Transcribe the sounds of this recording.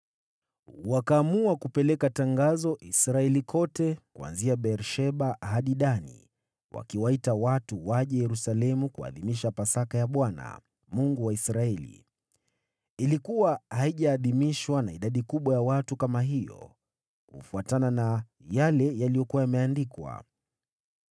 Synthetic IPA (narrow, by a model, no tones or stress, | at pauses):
wakaːmuakupɛlɛkataŋɡazɔʔisɾaɛlikʰɔtɛkua̰nziaɓɛɾʃɛɓahaɗiɗanḭ | wʔa̰kiwaitawatuwaʄɛjɛɾusalɛmukua̰ðimiʃapasakajaɓwana̰ | muŋɡuwaisɾaɛlḭ | ilikuwahaiʄaːðimiʃwanaiɗaɗikuɓwajawatukamaɦijɔ̰ | kṵfuatanana | jalɛjalijɔkuwajamɛandikwa̰